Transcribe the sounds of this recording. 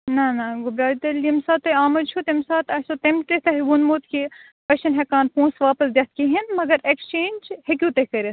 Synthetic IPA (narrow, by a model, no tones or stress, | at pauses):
nɐnɐɡubɾaːlit̪ɐlʲːimsaːt̪ɐaːmɐdt͡ʃʰut̪emsaːt̪ɐsot̪ɐmt̪et̪ɐɦɡunmut̪ki | pɐʃɐnɦɐkaːnpũːnsʋaːpɐsd̪ʲɐt̪kiɦinmɐɡɐɾekst͡ʃeːnd͡ʒhekʲuːt̪ɐhkɐɾis